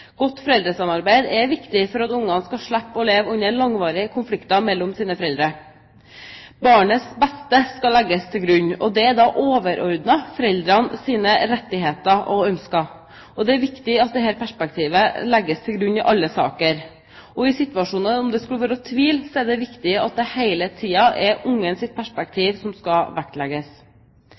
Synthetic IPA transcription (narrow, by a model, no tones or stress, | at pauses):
ɡ̥ɔt̪ːfɔɾɛld̪ɾəsɑmɑɾbæɪd̪ɛʋɪkt̪ɪfɔɾɑt̪ʊŋːɑnskɑʂɭæpːɔleːʋʉnːəlɑŋʋɑːɾɪkʰʊnflɪkt̪ɑmɛlːɔmsiːnəfɔɾɛld̪ɾəɾ | bɑːɳəsbɛst̪əskɑlːæɡːəst̪ʰɪlɡɾʉɲːɔ̰d̪ɛæd̪ɑʔoːʋəɾʔɔɾd̪nɑfɔɾɛld̪ɾɑnsiːnəɾɛt̪ːɪɦeːt̪əʔɔœmskɑ | ɔd̪ɛæɾʋɪkt̪ɪɑt̪̚d̪ɛhæːɾpʰæʂpɛk̚t̪ʰiːʋəlɛɡːəst̪ʰɪlɡɾʉnːɪʔɑlːəsɑ̰ːkəɾ | ʔɔɪsɪt̪ʋɑʂuːnənɔmd̪ɛskʉləʋæːɾəɔt̪ʰʋiːlsɔɛɖɛʋɪkt̪ɪɑt̪̚d̪ɛheɪlət̪ʰiːɑʔɛɾʊŋːənsɪt̪̚pʰæʂpɛk̚t̪ʰiːʋsɔmskɑʋækt̪lɛɡəs